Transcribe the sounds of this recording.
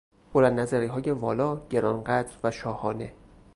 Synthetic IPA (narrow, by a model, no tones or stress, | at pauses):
b̥olænd̪næzæɾiːɦɒːjevɒːlɒːɟe̞ɾɒːnɢæd̪ɾvæʃɒːhɒːne̞